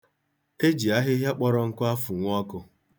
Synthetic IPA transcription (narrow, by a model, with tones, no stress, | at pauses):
e˦d͡ʒi˨a˦ɦɪ˦ɦja˦k͡pɔ˦ɾɔ˦ŋ̩˦kʊ˦a˦fʊ˨ŋʷ˦ɔ˦kʊ˦